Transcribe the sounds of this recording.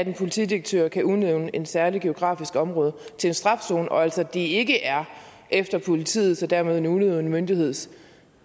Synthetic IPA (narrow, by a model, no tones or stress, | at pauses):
æd̥enpʰo̝lit͡sʰḭd̥iʁeɡ̥̚t͡sʰø̰ːɐkʰæuðneʊnəʔe̝n̥sæɐliɡ̥e̝o̝ɡ̥ʁɑ̰̈ːfisɡ̥ɒ̽mʁɔ̽ːðˠət͡sʰe̝le̝nsd̥ʁɑ̈fso̝̰ːnʔɒ̽æl̰sɒd̥ie̝ɡəʔæɐ | ʔefd̥ɐpʰo̝lit͡sʰḭːð̞̩ˠsɒ̽d̥æɐ̰me̝ðˠenuneʊn̩mønd̥ihe̝ð̞̰ˠs